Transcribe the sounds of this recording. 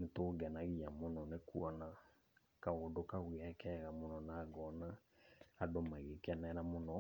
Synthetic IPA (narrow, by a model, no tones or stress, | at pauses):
netoːɡɛnaɣiamonɔnekuɔna | kaodokaɣwiɛkɛːɣamonɔnaɡɔnaː | domaɣekɛnɛɾamonɔ